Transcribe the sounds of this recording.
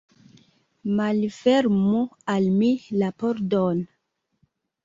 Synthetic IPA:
malfeɾmualmilapoɾdon

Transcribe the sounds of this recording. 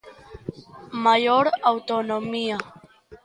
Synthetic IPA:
maʎoɾawt̪onomia

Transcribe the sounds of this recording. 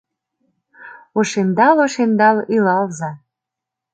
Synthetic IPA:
oʃend̪ɑloʃend̪ɑlilɑlzɑ

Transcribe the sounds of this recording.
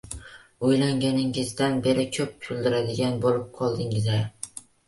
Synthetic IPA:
ojlaŋɡʲanɪŋɪzd̪anbe̞ɾɪkʲʰɵp̚tʰʊld̪ɪɾad̪ɪɡʲanbolˠɪp̚qʰɒlˠd̪ɪŋɪzaɾ

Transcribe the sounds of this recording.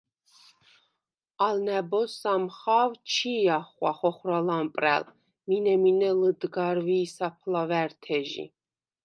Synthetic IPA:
alnɛbɔsamχawt͡ʃʰijaχwaχɔχɾalampʼɾɛ̰l | minɛminɛləd̪ɡaɾviːsapʰlavɛɾt̪ʰɛʒḭ

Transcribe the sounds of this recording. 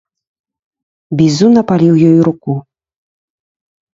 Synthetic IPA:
bʲizunɐpalʲiwjɔjuɾuku

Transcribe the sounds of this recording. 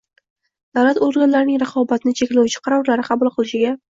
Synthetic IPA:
d̪̥awlat̪oɾɡʲanlaɾɪnɪŋɾɑqʰɒbat̪ʰɪnɪt͡ʃʰekʲlawʊt͡ʃʰɪ̥qʰɑɾɒɾlaɾɪqʰɑbʊlˠqʰɨlˠɪʃɪɡʲa

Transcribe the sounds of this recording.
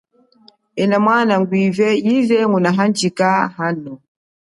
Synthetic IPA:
ɛnamwanaŋɡwivɛjizɛŋunaɦand͡ʒikahanɔ

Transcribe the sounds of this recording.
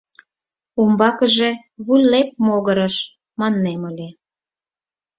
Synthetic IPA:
umbɑkə̆ʒe | βulʲlep̚moɣəɾəʃ | mɑnːeməlʲe

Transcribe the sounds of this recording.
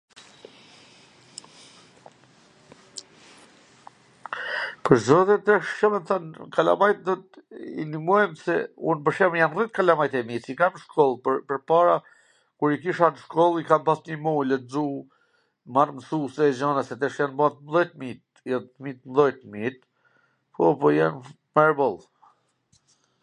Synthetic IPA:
pəɾzɔðjɛt̪ɛʃʃɔmɛnθankala̰majt̪d̪ɔt̪ḭnimɔjmsɛunbəʃɛmjanrit̪kalamajt̪ɛmisikamʃkʰɔlˠppəɾpaɾa | kuɾikiʃanʃkɔlˠikampasɲimulɛzu | marməsusɛd͡ʑɔnasɛt̪ɛʃjanbaat̪mðɔjt̪mit̪̚ | jamit̪mðɔjt̪mit̪̚ | pʰɔpɔjan | mɛɾbɔlˠ

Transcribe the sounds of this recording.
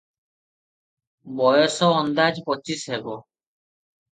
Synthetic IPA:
bɔjɔsɔɔnd̪ad͡ʒpɔt͡ʃisɦebɔ

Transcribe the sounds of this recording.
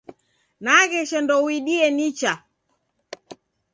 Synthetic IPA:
naɣɛʃɛndɔwiɗiɛnit͡ʃa

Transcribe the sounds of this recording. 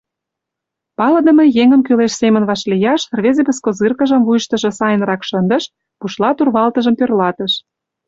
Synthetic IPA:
pɑlɤ̆d̪ə̆mɤ̆jeŋə̆mkyleʃsemə̆nβɑʃlijɑʃrβezebəskozɨrkə̆ʒə̆mvujʃt̪ə̆ʒɤ̆sɑjə̆nrɑkʃənd̪ə̆ʃ | puʃlɑt̪urβɑlt̪ə̆ʒə̆mpørlɑt̪ə̆ʃ

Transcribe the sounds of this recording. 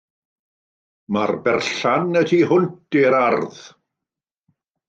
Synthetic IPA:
marbɛrɬanətʰihʊntiɾarð

